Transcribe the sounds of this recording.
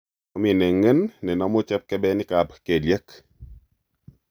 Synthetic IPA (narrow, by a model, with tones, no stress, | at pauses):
ɔ˦mi˨ne˨ŋə˦nːɛ˨nɔ˦mo˦t͡ʃɛ˦p̚kɛ˦bɛ˦nɪ˦ka˨bke˨lje˦k